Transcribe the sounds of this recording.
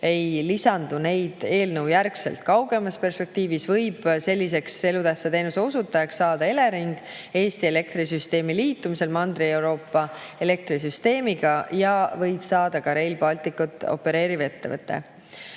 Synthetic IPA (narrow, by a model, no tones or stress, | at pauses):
e̞jlisɑnd̪une̞jd̪̥e̞ːlnəwjærksḛlt̪̚kɑwɡe̞mɑspe̞rspe̞k̚t̪iːvisvɤjb̥se̞lʲːis̬e̞kse̞lut̪æhsːɑt̪e̞jnuseusut̪ːˑɑjɑksːɑːd̪̥ɑe̞le̞ɾiŋɡ̥ | e̞ːst̪ie̞le̞k̚t̪ris̬yst̪e̞ːmiliːt̪ːˑumise̞lmɑnd̪rie̞wɾo̞ːpːɑe̞le̞k̚t̪ɾis̬yst̪e̞ːmiɡ̥ɑjɑvɤjb̥sɑːd̪ɑkɑɾe̞jlb̥ɑlt̪ˑikːˑut̪ːˑo̞̰pːe̞ɾe̞ːɾive̞t̪ːe̞̰vɤt̪ːˑe̞̰